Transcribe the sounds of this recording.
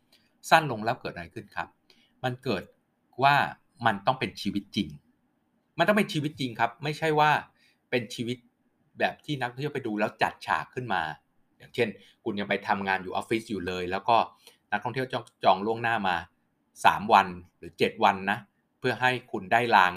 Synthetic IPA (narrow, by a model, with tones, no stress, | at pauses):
sa˥˩nlo˧ŋlɛː˦˥wkɤː˨˩ʔa˧ɾa˧jkʰɯ˥˩nkʰa˦˥p̚ | ma˧nkɤː˨˩t̪̚ | waː˥˩ | ma˧nt̪ɔ˥˩ŋpe˧nt͡ɕʰiː˧wi˦˥t̪̚t͡ɕi˧ŋ | ma˧nt̪ɔ˥˩pe˧nt͡ɕʰiː˧wi˦˥t̪̚t͡ɕi˧ŋkʰa˦˥p̚ma˥˩jt͡ɕʰa˥˩jwaː˥˩ | pe˧nt͡ɕʰiː˧wi˦˥t̪̚ | bɛː˨˩p̚t̪ʰiː˥˩na˦˥k̚t̪ʰɔ˥t̪i˥˩pa˧jduː˧lɛː˦˥wt͡ɕa˨˩t̪̚t͡ɕʰa̰ː˨˩kʰːɯ˥˩nma̰ː˧ | jaː˨˩ŋt͡ɕʰe˥˩n | kʰu˧nja˧ŋpa˧jt̪ʰa˧mŋaː˧njuː˨˩ʔːfi˦˥s̚juː˨˩lɤː˧jlɛː˦˥wkɔː˥˩na˦˥k̚t̪ʰɔ˥˩ŋt̪ʰwt͡ɕɔ˥˩t͡ɕɔː˧ŋlu˥˩əŋnaː˥˩maː˧ | sa̰ː˩˦mwa˧nɾɯː˩˦t͡ɕe˨˩t̪̚wa˧nːa˦˥ʔ | pʰɯ˥˩ɐɦa˥˩jkʰu˧ndaː˥˩jlaː˧ŋ